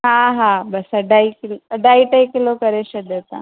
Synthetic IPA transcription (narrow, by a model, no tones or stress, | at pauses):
ɦãɦãbɐsəɖaikɪləɖʱaːiʈaikɪlokɐɾeʃəd̪et̪ã̰